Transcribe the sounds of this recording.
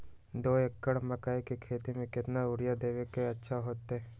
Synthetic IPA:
d̪oːekːəɽmɐkaːikekʰeːt̪imẽkɪt̪naʊɾjad̪eːʋekeɐtːʃʰaɦoːt̪ɛː

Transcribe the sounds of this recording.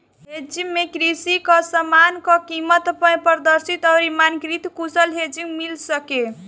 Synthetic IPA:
ɦed͡ʒiŋmekɾisikʌsəmankɔkimət̪pjpəɾd̪əɾsit̪ʌwɾimankɾit̪kusəlɦed͡ʒiŋɡmilsəke

